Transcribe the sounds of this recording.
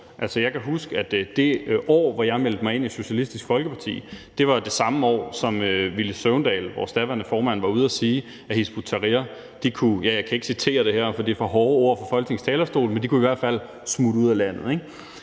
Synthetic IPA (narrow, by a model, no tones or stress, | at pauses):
ʔælsəjɑ̈ɪkʰæɦusɡ̥əæd̥d̥e̝ʔɒ̰ːʋɒjɑ̈ɪmel̰d̥əmɑ̈ɪe̝n̰iso̝ɕælisd̥isɡ̥fɒ̽lɡ̥əpʰɑ̈t͡sʰḭːd̥e̝ʋɑ̈d̥e̝sɑ̈məɒ̰ːsɒ̽møʋilisøʊnd̥ɛ̰ːlʋɒ̰ːsd̥æʋæɐnəfɒːmænʋɑ̈uð̞ˠæsiː | æhisb̥ut͡sʰɑʁiɐ | d̥ikʰujæjɑ̈ɪkʰæe̝ɡ̥sit͡sʰe̝̰ːɐɾ̥e̝hæɐ̰fɒ̽d̥ifɒ̽ɦɒːo̝ɐ̰fɒ̽fɒ̽l̰ɡ̥ne̝ŋst͡sʰɛːlɐsd̥o̝̰ːlmend̥ikuiʋæɐ̰d̥fæl̰ | smuduð̞̰ˠælæn̰ð̞̩ˠe̝ɡ̥